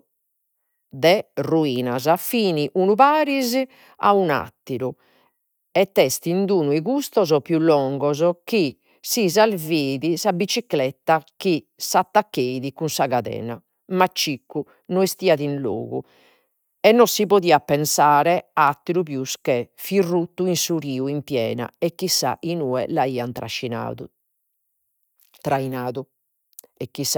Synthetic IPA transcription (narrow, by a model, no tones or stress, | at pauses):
d̪ɛruiːnazafiːniʔunupaːɾizi | a̰una̰t̪ːiɾu | ɛt̪ːɛst̪ind̪uːnuiɣust̪ɔzɔpjulːɔŋɡɔzɔki | sizalveːðisabit͡ʃiklɛt̪ːaki | sat̪ːakːeðikunsaɣaðɛ̰ːna̰ | mat͡ʃːikːu | nɔist̪iːaðinlo̰ːɣu | ɛnːɔsipoðiːapɛnsaːɾɛat̪ːiɾupjuskɛ | firːut̪ːuinsuɾiːuimpjɛ̰ːna̰ɛkːisa̰ʔinuːɛ̰laiːant̪ɾʔa̰ʃːina̰ːðṵ | t̪ɾainaːðu | ɛkːis